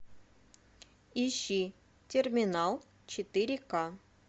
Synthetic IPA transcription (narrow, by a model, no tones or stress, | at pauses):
iɕːi | tʲermʲinɑlˠ | t͡ɕɪt̪iɾʲikɑ